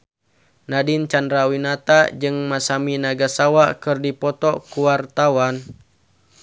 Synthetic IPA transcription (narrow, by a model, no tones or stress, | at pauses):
nadint͡ʃandɾawinat̪ad͡ʒɨŋmasaminaɡasawakɨrdipɔt̪ɔkuwart̪awan